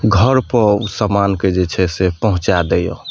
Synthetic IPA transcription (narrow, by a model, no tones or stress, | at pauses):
ɡʱəɾpəɾusamanked͡ʒet͡ʃʰɛsepəɦũt͡ʃad̪ejo̰